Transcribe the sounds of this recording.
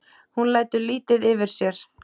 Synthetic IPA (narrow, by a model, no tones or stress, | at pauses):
hunlaːjt̪ʏliːt̪ɪðɪvɪɾ̥sjɛɾ̥